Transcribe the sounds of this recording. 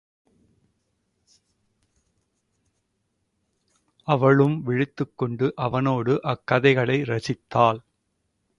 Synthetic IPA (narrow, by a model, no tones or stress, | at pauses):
ʔɐʋɐɭɯmʋɪɻɪt̪ːɯkːɔɳɖɯʔɐʋɐnoːɽɯʔɐkːɐðɐɪɣɐɭɐɪɾɐsɪt̪ːaːl